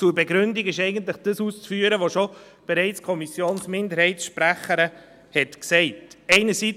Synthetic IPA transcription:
t͡suɾbɛɡɾʏndiɡɪʃɛɪɡənt̬ləχd̥əsuːst͡sfyːəɾəʋoʃo | b̥ɛɾɛɪt͡skʰɔmisjoːnsmɪndəɾhɛɪtsʃpɾæχəɾə | hɛtksɛɪtɛɪnəsi

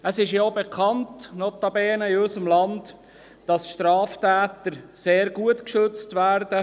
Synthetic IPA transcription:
əsɪʃjoːbekʰɑntnɔtɑbɛːnəɪɔsəmlɑnd | d̥ɑsʃtɾɑːftæːtəɾseːɾɡuətkʃɵt͡stʋæːɾdə

